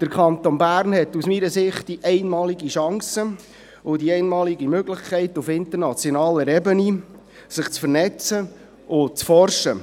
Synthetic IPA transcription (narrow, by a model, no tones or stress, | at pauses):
d̪̥əɾkʰɑnt̪onbæːɾnhɛtusmiɾəsɪχt̚d̥iʔɛɪnmɑːliɡiʃɑŋsə | ʊdiɛɪnmɑːliɡimøɡlɪχkʰɛɪtufɪnt̪əɾnɑt͡sjɔnɑːləɾɛbəni | sɪχt͡sfərnɛt͡sə | ʔʊt͡sfɔrʃə